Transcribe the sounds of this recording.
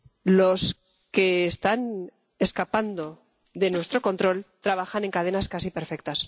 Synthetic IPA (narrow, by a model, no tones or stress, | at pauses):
lo̞s | ke̞ːst̪an | e̞skapand̪o̞ | ðe̞nwe̞st̪ɾo̞ko̞nt̪ɾo̞lt̪ɾaβaxane̞ŋkað̞e̞naskasipe̞ɾfe̞k̚t̪as